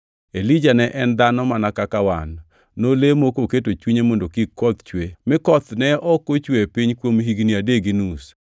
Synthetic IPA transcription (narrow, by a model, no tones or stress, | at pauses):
elid͡ʒanɛʔɛnd̪anɔmanakakawanː | olemokoket̬ot͡ʃwiɲemondokikːɔt̪t͡ʃwemɪkɔt̪nɛʔɔkot͡ʃwepiɲkwomɦiɡniadeɡinus